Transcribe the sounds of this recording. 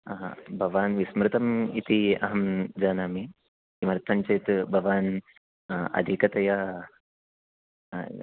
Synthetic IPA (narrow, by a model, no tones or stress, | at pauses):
bʱɐʋaːnʋismɾɨt̪ɐmit̪iɐ̰ɦɐmd͡ʒaːnaːmi | kimɐɾt̪sɐɲt͡ʃɐjt̪bʱɐʋaːn | ɐ̰d̪ʱikɐt̪ɐja